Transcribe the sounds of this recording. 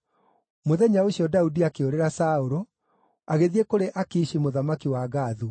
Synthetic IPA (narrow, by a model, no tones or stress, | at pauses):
moðɛɲaoɕiɔdaudiakeoɾeɾasaoɾo | aɣeðiekoɾeʔakiːʃimoðamakiwaɣaːðu